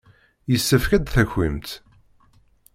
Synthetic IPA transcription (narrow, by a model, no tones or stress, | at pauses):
jəsːəfkæd̪θæçːimt̪